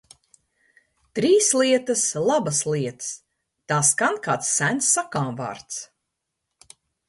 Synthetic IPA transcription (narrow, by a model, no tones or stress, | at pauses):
t̪ɾiːslˠiɛt̪ɐslˠabasliɛt̪s | t̪aːskankaːt̪sːænt̪sːakaːmva̰ːɾt̪s